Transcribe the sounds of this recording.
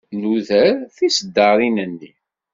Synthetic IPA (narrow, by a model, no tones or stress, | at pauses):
nuðəɾθisəd̪ːɑɾˤinənːi